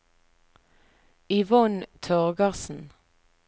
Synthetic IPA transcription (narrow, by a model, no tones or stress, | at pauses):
ɪʋɔnt̪ʰøːʁɡɑʁsn̩